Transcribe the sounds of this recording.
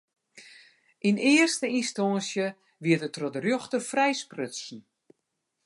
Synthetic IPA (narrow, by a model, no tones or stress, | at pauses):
ʔinɪːərstəinstɔnsjə | ʋiətətrɔdərjoxtəfrɛjsprøtsn̩